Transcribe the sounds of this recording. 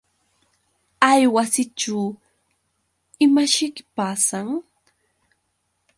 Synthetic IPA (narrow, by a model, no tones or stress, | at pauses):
ajwasɪʈ͡ʂaw | ɪmaʃɪkpaːsaŋ